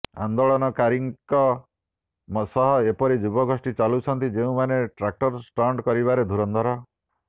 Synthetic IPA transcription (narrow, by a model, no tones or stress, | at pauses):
a̰nd̪oɭɔnɔkaɾiŋkɔ | msɔɦɔepɔɾid͡ʒubɔɡʱosʈit͡ʃalut͡ʃʰɔnt̪id͡ʒeũmaneʈɾak̚ʈɔɾsʈaɳɖkɔɾiβaɾed̪ʱuɾɔnd̪ʱɔɾɔ